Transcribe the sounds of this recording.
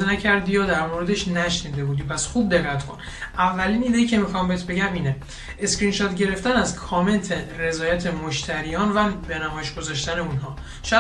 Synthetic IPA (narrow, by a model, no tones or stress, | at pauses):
enæcʰæɾd̪ijɒːd̪æɾmoːɾe̞d̪e̞ʃnæʃniːd̪e̞buːd̪ipʰæsxuːb̚d̪e̞ɣːæt̪kʰo̞n | ʔævːæliːniːd̪ejicʰe̞mixɒmbeet̪be̞ɟæmiːne | eskɾiːnʃɒt̪ɟe̞ɾe̞ft̪ænæzkʰɒːme̞nt̪ʰere̞zɒːjæt̪ʰemoʃt̪ʰæɾijɒːnvæbenæmɒːjeʃɡ̥o̞zɒʃt̪æne̞unɦɒː | ʃæ